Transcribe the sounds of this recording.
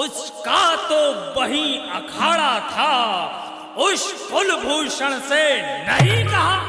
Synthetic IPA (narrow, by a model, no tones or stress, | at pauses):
ʊt͡ʃʰkat̪oːbɐɦĩɐkʰaːɽat̪ʰaː | ʊʃkʊlbʱuːʃəɽ̃senɐɦĩkɐɦaː